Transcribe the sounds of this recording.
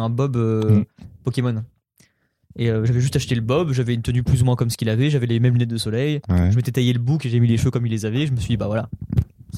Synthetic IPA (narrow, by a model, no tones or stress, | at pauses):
ɛ̃bɔbø | pɔkʲemɔn | eøʒavɛʒyst̪aʃt̪eləbɔbʒavɛnt̪ənyplyzumwɛ̃kɔmsə̥kʲilavɛʒavɛlemɛmlynɛt̪̚d̪əsɔlɛjʒəmet̪ɛt̪ajeləbukeʒavɛmileʃføkɔmilːezavɛʒəməsɥʲid̪ibavwala